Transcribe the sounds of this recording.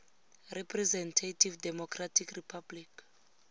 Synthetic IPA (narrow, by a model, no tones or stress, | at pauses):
rɛpʰrɛzɛntʰatʰivdɛmɔkʰratʰikripʰablik